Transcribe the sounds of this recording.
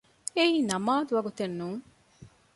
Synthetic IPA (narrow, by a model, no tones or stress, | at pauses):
eiːnɐmaːd̪uʋɐɡut̪enːuːŋ